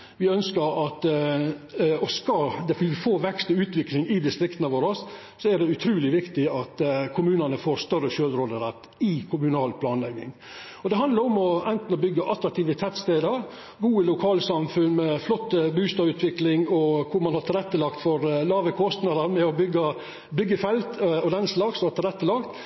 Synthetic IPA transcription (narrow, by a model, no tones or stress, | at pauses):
ʋɪœnskəɾɑt̪ | ɔskɑd̪ɛfɪɪfoːʋɛkst̪əʉːt̪ʋɪklɪŋɪd̪ɪst̪ɾɪkt̪ənəʋoːɾɔs | sɔæɖɛʉt̪ʰɾʉːlɪʋɪkt̪ɪɑt̪kʰʊmʉːnənəfoːɾst̪œɾəʃøːlɾoːd̪əɾɛt̪ː | ɪkʰʊmʉnɑːlpʰlɑːnlɛɡnɪ̰ŋ | ɔd̪ɛɦɑnd̪əɾɔmɔɛnt̪n̩ɔbʏɡːəʔɑt̪ɾɑk̚t̪ʰiːʋət̪ʰɛt̪st̪eːd̪əɾ | ɡuːəlʊkʰɑːlsɑmfʉnːmɛflɔt̪ːəbʉːst̪ɑːʋʉːt̪ʰʋɪklɪŋɔkʰʊɾmɑnhɑɾt̪ʰɪlɛt̪ːəlɑkt̪fɔɾlɑːʋəkʰɔst̪nɑd̪ɑɾmɛɔbʏɡːə | bʏɡːəfɛlt̪ɔd̪ɛnsəlɑɡsɔhɑt̪ʰɪlɛt̪ːəlɑːkt̪